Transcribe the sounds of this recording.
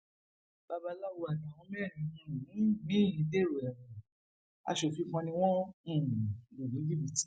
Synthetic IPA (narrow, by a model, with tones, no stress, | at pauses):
b̥a˧ba˧la˦˨wo˧a˨da˨w̃ɔ̃˧˦mɛ˦˨ɾĩ˨˧nũ˧˦ñ˨˦˨mĩ˦˨ĩ˨˧˦de˦˨ɾo˨ɛ˨mɔ̃˨ | a̰˧ʃo˨fĩ˨˧˦kɔ̃˧nĩ˧w̃ɔ̃˦ũ˦˨lo˨nĩ˨˦ɡi˦bi˨ti̥˦